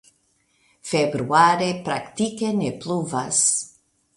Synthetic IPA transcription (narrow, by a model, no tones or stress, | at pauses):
febɾuaɾepɾakt̪ikenepluvas